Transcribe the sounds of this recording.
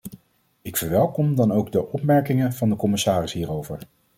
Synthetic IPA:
ɪkfəɹʋɛlˠkɔmdɑnowɡdəʔɔpmɛɹkɪŋənv̥ɑndəkɔmɪsaːrɪsɦiːrowvəɹ

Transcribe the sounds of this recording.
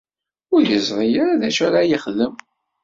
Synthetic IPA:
ʊɾjəzˤɾˤijaɾaðæʃaɾajiχðəm

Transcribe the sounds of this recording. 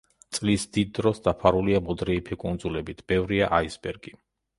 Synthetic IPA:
t̪sʼlisd̪id̪ːɾɔsd̪apʰaɾuliamɔd̪ɾɛipʰikʼund̪zulɛbit̪ʰb̥ɛvɾiaʔaisbɛɾɡi

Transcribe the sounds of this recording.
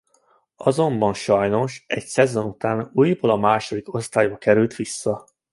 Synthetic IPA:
ɒzo̞mbɒnʃɒjno̞ʃɛcsɛzo̞nut̪aːnuːjboːlɒmaːʃo̞d̪iko̞st̪aːjbɒkɛɾylt̪ʋisːɒ

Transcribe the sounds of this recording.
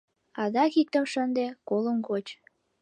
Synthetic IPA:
ɑd̪ɑkik̚t̪əmʃənd̪ekoləmkot͡ɕ

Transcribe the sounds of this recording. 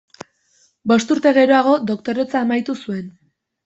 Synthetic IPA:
bo̞st̪uɾt̪e̞ɣe̞ɾo̞aɣo̞d̪o̞kt̪o̞ɾe̞t͡saːmajt̪usue̞n

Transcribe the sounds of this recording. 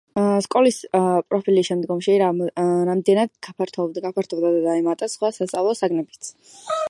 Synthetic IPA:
skʼɔlispʼɾɔpʰiliːʃɛmd̪ɡɔmʃiɾamd̪ɛnad̪ɡap̪ʰɡapʰaɾt̪ʰɔbd̪ad̪ad̪aɛmat̪ʼasχwasast̪sʼavlˠɔsaɡnɛbit̪sʰ

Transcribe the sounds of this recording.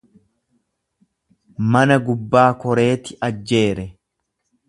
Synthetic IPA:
mɐnɐɡʊbːaːkɔɾe̞ːt̪ɪʔɐd͡ʒːe̞ːɾɛ

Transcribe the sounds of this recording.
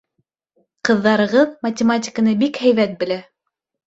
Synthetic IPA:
qɤ̆ðːɑɾɤ̆ʁɤðmɐtʲɪmat̬ʲɪ̥kənɤbikhæjβæt̪̚bɘ̆læ

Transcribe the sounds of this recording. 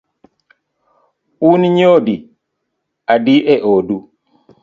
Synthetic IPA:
ʔuniɲoːdi | ʔadiʔɛʔoːdu

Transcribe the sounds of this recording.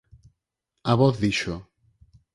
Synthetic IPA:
aβoθðiʃo

